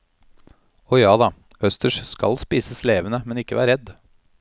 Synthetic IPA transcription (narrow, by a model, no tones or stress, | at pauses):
ɔjɑːd̪ɑ | œst̪əʂskɑ̰lspiːsəsleːʋənəmɛnɪkːəʋæ̰ːɾɛd̪